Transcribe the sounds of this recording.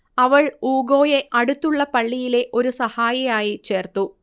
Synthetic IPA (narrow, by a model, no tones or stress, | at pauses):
ɐʋɐɭuːɡo̞ːje̞ʔɐɽut̪ːuɭːɐpɐɭːijile̞ʔo̞ɾusɐhaːjɐjaːjit͡ɕe̞ːrt̪ːu